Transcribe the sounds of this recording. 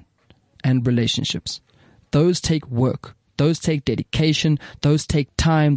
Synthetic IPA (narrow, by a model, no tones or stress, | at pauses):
ɨ̃nɹileɪʃə̃nʃɪ̰ps | ðoʊz̥tʰeɪkwɜ̰ˑ˞k | ðoʊz̥tʰeɪk̚d̥ɛɾɨkʰeɪʃə̃nðoʊz̥tʰeɪk̚tʰãɪ̃m